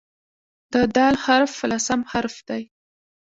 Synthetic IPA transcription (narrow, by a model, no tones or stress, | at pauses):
d̪̥əd̪ɑlhaɾfːəlasamhaɾfd̪̥aj